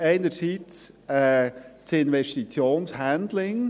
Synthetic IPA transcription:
eɪnəɾsiːtt͡sɛːt͡sɪnʋɛʃtit͡sjoːnshænd̪lɪŋ

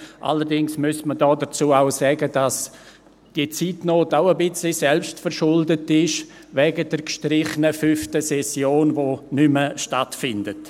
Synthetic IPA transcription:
ʔa̰ləɾdɪŋsmʉsmədɔːdət͡suːaʊsɛɡəd̥as | d̥iət͡siːtnoːtaʊəbɪt͡slisɛlpʃtfəɾʃʊldətɪʃ | vɛɡədəɾkʃtɾɪχənəfyftəsɛsjoːnvonʏməʃtatfɪndət

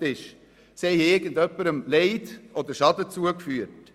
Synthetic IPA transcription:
tɪʃ | sɛɪɪɾɡ̥ən̩dœpːəɾəmlɛɪdʔɔd̪əɾʃɑd̪ət͡suəkfyːət

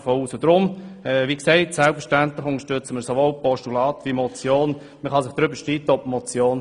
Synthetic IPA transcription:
fouːsʊd̥̪ɾʊmɛʋiːksɛɪtsɛlpfəɾʃtænt̪lɪχʊŋəʃtøt͡səməsoʋolpɔʃtulɑːt̪ʋimɔt͡sjoːn | məχɑsɪχd̥ɾʏbəʃtit̪əɔpmɔt͡sjoːn

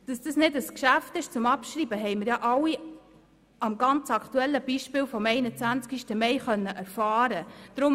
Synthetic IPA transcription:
d̥ɑsd̥ɑsnɪdəskʃæftɪʃt͡sʊmɑpʃɾiːbəɦɛɪməɾjɑːʔɑwi | ɑmɡɑnt͡sɑkʰtuɛlːəb̥iːʃpɪːlfɔmɛɪnət͡sʋænt͡skiʃtəmɛɪχœnːəʔæɾfɑːɾəd̥ɾʊm

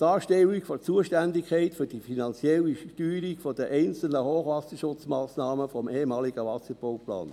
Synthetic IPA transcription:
d̥ɑːʃtɛwikfot͡suəʃtændɪkʰɛɪtfʏd̥ifinɑnt͡sjɛliʃtyːɾiɡfod̥əʔɛɪnt͡sl̩nəhoːχʋɑsəʃʊt͡smɑːsnɑːməfɔmʔeːhmɑːliɡ̥əʋɑsəɾb̥owplɑ̰ːn

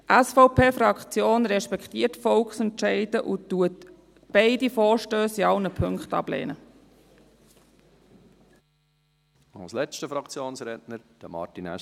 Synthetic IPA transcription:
ʔæsfɔʊpʰeːfɾɑkt͡sjoːnɾɛʃpɛkχt̪iəɾtfɔlkχsɛntʃɛɪd̥əʔʊt̪ːuət | b̥ɛɪdifɔːɾʃtøːsiɑlnəpʰɵŋkχtɑ̰b̥lḛːnə | ɑ̰lslɛt͡ʃtəfɾɑkt͡sjoːnsɾɛtnəɾd̥əmɑ̰tinɛ̰

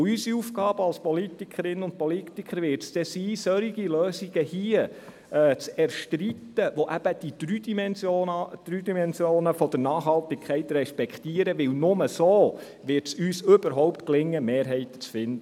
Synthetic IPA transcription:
ysiufɡɑːb̥əɑlspʰɔlit̪ikʰəɾɪnːʊnt̚pɔlit̪ikʰəɾʋɪɾtsd̥̪ɛsiːsœɾiɡiløːsiɡəhiə | t͡sɛɾʃtɾit̪əʋoʔæb̥əd̥id̪ɾyːdimɛnsjod̥̪ɾyːd̪imɛnsjoːnəfɔd̥̪əɾnɑːχhɑlt̪ɪkʰɛɪt̪rɛʃpɛkχtiəɾəʋɪlnʊməsoː | ʋɪɾtsyːsøbəɾɦɔʊptklɪŋːəmeːɾɦɛɪtət͡sfɪnd̪ə

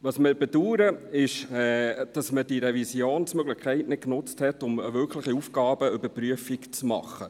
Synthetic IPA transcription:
ʋɑːsmɪbɛduːɾəɪʃɛːd̥ɑsməd̥iɾɛvisjoːnsmøɡlɪχkʰɛɪtnɪt̚knʊt͡sthɛtʊməvʏɾkʰləχiufɡɑːbəʏbəɾpɾyəfikt͡smɑ̰χːə

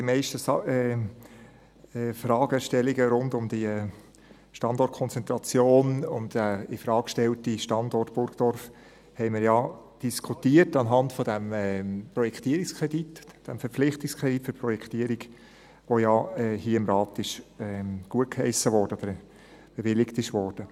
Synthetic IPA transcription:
d̥imɛɪʃtəsɛ | ɛfɾɑːɡəʃtɛliɡəɾʊndʊmd̥̪iɛ | ʃtɑndɔɾt̚kʰɔnt͡sɛnt̪ɾɑt͡sjoːnʊ̰nd̥ɛɪfɾɑːkʃtɛltiʃtɑndɔrtb̥ʊɾɡd̥ɔɾf | hɛɪmɪɾjɑd̥iskʰutiətɑnɦɑntfɔdæmɛpɾɔjɛkʰtiəɾɪkskʰʁɛditd̥æmfɛɾp͡flɪχtikskʰʁɛditføɾpɾɔjɛktiːəɾiɡ | ʋojɑɛhiəɪmɾɑːtɪʃɛɡ̥uət̚khɛɪsəvɔɾdəɔd̥̪əɾ | b̥eʋɪlɪktɪʃʋɔːrd̥ə

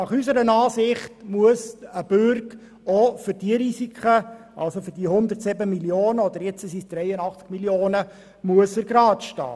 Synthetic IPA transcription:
ɑχysəɾənɑːsɪχtmuəsəb̥ʉrk | ofʏɾd̥iəɾisikχə | ʔɑ̰lsofʏɾdiəhʊnd̪ərtsɪbəmiljoːnəɔd̪əɾjɛt͡səsisd̥rɛjənɑχt͡skmiljoːnə | muəsəɾɡ̥ɾɑːtʃtɑ̰ː

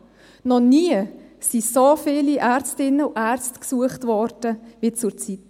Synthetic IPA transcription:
nɔniːəsisofɪːliʔæɾt͡stɪnːəuʔæɾt͡stksuəχtvɔɾd̥əʋit͡suɾt͡sit

